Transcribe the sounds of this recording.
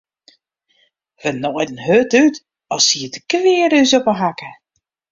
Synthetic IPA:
ʋənɔdənhøtyt | ɔsiətə̥kʋɪːəɾysopəɦakə

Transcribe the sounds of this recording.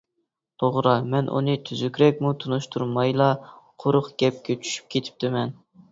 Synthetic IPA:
t̪ʰoʁɾɑmɛnʔṵnɨt̪ʰyzykʲɾɛk̚ʲmut̪ʰunuʃt̪ʰuɾmɑjlˠɑqʰoɾʊχɡʲɛp̚kʲʰɛt͡ʃʰy̥ʃy̥p̚kʲʰet̪ʰɪ̥p̚t̪ʰɪmɛn

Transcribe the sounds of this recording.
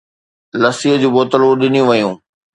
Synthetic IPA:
lɐsiəd͡ʑuːboːt̪əluɗɪnijũʋɐjũː

